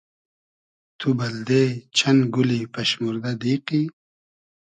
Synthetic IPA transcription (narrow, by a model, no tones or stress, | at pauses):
t̪ʰubɐld̪et͡ɕʰɐnɡulipɐɕmuɾd̪ad̪iːqi